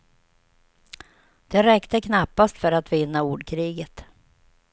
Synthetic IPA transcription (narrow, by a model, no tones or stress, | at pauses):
d̪̥ɛɾɛkt̪əkʰnapːast̪fœɾat̪vɪnːauːɖkʰɾiːɡət̪